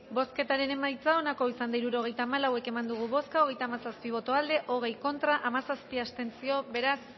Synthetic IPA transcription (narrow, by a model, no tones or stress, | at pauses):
bo̞ske̞t̪aɾe̞ne̞majt͡sao̞nako̞isand̪aiɾuɾo̞ɣ̞e̞jt̪aːmalawe̞ke̞mand̪uɣ̞uβo̞skao̞ɣ̞e̞jt̪aːmasaspiβ̞o̞t̪oald̪e̞ʔo̞ɣ̞e̞jko̞nt̪ɾaʔamasaspiast̪e̞nt͡sio̞be̞ɾas